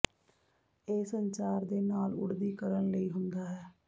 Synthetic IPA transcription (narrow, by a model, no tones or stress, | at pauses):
eːsəɲt͡ʃaːɾd̪eːnaːlʊ̰ɽd̪iːkəɾənləiːɦʊnd̪aːɦɛː